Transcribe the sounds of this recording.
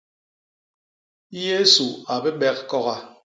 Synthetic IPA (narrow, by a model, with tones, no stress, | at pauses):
je˦su˨a˨be˦ɓɛ˦k̚kɔ˦ɣa˨